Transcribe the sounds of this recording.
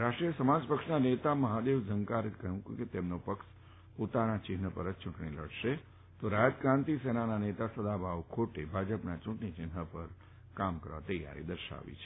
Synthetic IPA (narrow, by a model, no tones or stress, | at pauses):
ɾaʃʈɾijəsəmad͡ʒpəkʃnanet̪aməɦad̪eʋd͡ʒʱəŋkaɾekəɦũkket̪emnopəkʃ | pot̪anat͡ʃɪɦnəpəɾət͡ʃʊ̃ʈɳiləɽʃe | t̪oɾajət̪kɾãnt̪isenananet̪asəd̪abʱaʋkʰoʈebʱad͡ʒəpnat͡ʃʊ̃ʈnit͡ʃɪnɦəpəɾ | kamkəɾʋa̰t̪əja̰ɾḭd̪əɾʃa̰ʋḭt͡ʃʰe